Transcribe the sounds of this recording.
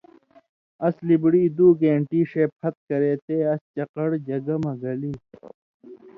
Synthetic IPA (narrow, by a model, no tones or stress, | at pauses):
ɐslibɽiːd̪uːkeɳʈiːɕeːpʰːɐt̪̚kɐɾeːt̪eːɐst͡ɕɐqɐɽd͡ʑɐɡɐmɐɡɐliː